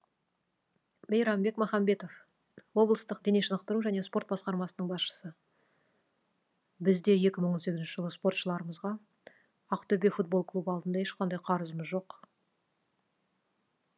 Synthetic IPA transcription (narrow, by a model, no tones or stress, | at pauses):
mejɾɑmbe̞kmɑχɑmbe̞t̪o̞f | wo̞blˠəst̪əqd̪eneʃənəqt̪əɾuʒæne̞spo̞ɾt̪bɑsqɑɾmɑsənəɴbɑsʃə̥sə | bɪzd̪e̞jekʲɪməɴons̬e̞ɡʲzɪnʃɪʒəlˠəspo̞rt̪ʃəlˠɑɾəməzʁɑ | ɑqt̪ʰɵbe̞fut̪̚bo̞lˠkʰlˠubəɑlˠd̪ənd̪ɑeʃqɑnd̪ɑjqʰɑɾəzəməzʒo̞q